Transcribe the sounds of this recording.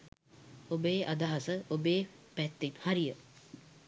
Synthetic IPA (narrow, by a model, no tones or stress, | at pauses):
obeːʔad̪aɦasəʔobeːpæt̪ːinhaɾijə